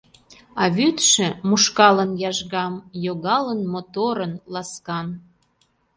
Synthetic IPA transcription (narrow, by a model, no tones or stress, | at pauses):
ɑβyt̪ʃĕmuʃkɑlənjɑʒɣɑmjoɣɑlənmot̪oɾənlɑskɑn